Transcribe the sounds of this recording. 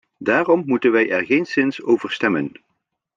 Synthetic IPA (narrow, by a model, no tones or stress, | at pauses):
daːrɔmːutənʋɛjʔɛɹχejnsɪnsowvəɹstɛmə̰n